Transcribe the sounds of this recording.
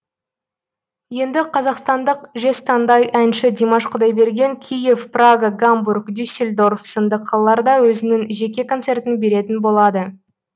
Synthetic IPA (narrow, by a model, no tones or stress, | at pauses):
je̞nd̪ɪqʰɑzɑqst̪ɑnd̪əqʒe̞st̪ɑnd̪ɑjʔænʃɪd̪ʲemaʃqʰʊd̪ɑjbe̞ɾɡʲe̞ŋkʲʰije̞fpraɡaɡamburkd̪ysʲelʲd̪o̞rfsənd̪əqʰːɑlˠəlˠɑɾd̪ɑwɵzɪnɪŋʒe̞kʲe̞ko̞nt̪se̞rt̪ɪnbe̞ɾe̞t̪ɪnbo̞lˠɑd̪ə